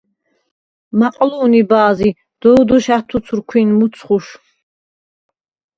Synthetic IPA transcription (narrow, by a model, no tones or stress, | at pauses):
maqʼluːnibaːzi | d̪̥ɔd̪ɔʃaχt̪ʰusʰuɾkʰwinmut̪sʰχuʃ